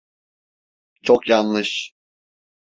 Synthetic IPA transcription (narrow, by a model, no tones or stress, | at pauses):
t͡ʃʰo̞kjanlɯʃ